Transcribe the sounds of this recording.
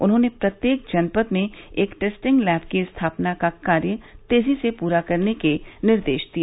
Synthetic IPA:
ʊnɦõːnepɾɐt̪jeːk̚d͡ʒɐnpət̪mẽeːkʈeːsʈɪ̃ŋɡlɛːp̚ʰkiɪst̪ʰaːpnakakaːɾjət̪eːzisepuːɾakɐɾnekenɪɾd̪eːʃd̪ieː

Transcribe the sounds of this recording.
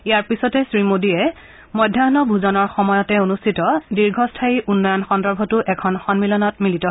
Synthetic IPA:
ijaɹpisɔtɛsɹimodijɛ | mɔjdʱjaɔnɔbʱuzɔnɔɹxɔmɔjɔtɛonustʰitɔdiɹɡʱɔstʰaiʔunːɔjɔnxɔndɔɹbʱɔtʊʔɛkʰɔnxɔnmilɔnɔt̚militɔɦ

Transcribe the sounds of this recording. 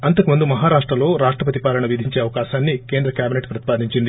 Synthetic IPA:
ɐnt̪ɐkumund̪umɐɦaːɾaːʂʈɾɐlo̞ːɾaːʂʈɾɐp̬ɐt̪ipaːlɐɳɐʋid̪ʱiɲt͡ʃe̞ːɐʋɐkaːʃaːnːike̞ːnd̪ɾɐkjaːbineʈpɾɐt̪i̥paːd̪ʱiɲt͡ʃind̪i

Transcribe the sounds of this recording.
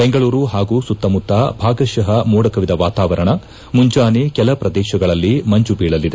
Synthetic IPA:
be̞ŋɡɐɭuːɾuɦaːɡuːsut̪ːɐmut̪ːɐbʱaːɡɐʃɐɦɐmuːɽɐkɐʋid̪ɐʋaːt̪aːʋɐɾɐɳɐ | muɲd͡ʒaːnekɛlɐpɾɐd̪ɛːʃɐɡɐɭɐlːimɐɲd͡ʒubiːɭɐlːid̪e

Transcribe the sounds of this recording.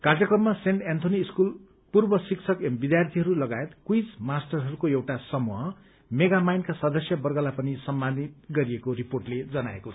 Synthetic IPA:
karjʌkrʌmːaseɳʈent̪ʰoniːskul | purbʌsikt͡sʰʌkembid̪jart̪ʰiɦʌɾulʌɡajet̪kwid͡zmasʈʌrɦʌɾukoewʈasʌmuɦʌ | meɡamajnkasʌd̪ʌsjʌbʌrɡʌlapʌnisʌmbanit̪ɡʌɾiekoriporʈled͡zʌnaḛkot͡sʰʌ

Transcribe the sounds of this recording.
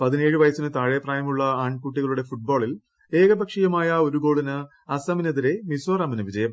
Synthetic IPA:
pɐðine̞ːɻɨʋɐjɐsinɨt̪aːɻɐjɐpraːjɐmuɭːɐaːɳkuʈ̬ːiɣɐɭuɽe̞fuʈ̚bo̞ːɭil | eːɡɐbɐkʂijɐmaːjɐo̞ɾuɡo̞ːɭinɨ | ɐsɐminɐðiɾe̞misoːrɐminɨʋid͡ʑɐjɐm

